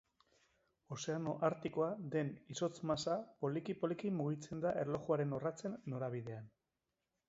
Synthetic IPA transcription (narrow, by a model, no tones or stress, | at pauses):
o̞se̞ano̞ʔaɾt̪iko̞ad̪e̞niso̞t͡smasapo̞likipo̞likimuɣ̞it͡se̞nd̪aʔeɾlo̞xuaɾe̞no̞rat͡se̞nːo̞ɾaβ̞iðe̞an